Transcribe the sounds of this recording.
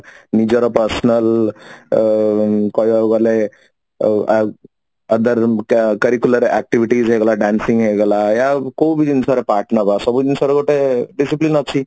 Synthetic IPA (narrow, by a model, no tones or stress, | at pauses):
nid͡ʒəɾɔpəɾsnəl | kɔjɡale | ɐd̪əɾkəɾikjuləɾɛ̰k̚ʈiʋiʈizɦeɡlaɖansiŋɡɦeɡlajakowbʱid̪insaɾepaɾʈnəbasɔbud̪insaɾekoʈeɖisiplinʌt͡ʃʰi